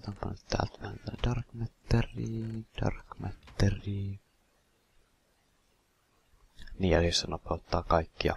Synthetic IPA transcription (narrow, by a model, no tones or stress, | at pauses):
t̪ompɑ̰nːyt̪t̪æ̰ːlt̪ʋæænt̪ædɑrkmet̪ːeriːd̥ɑ̰rkmet̪ːeriː | niːælist̪ænopeot̪ːɑːkɑikːiɑ̰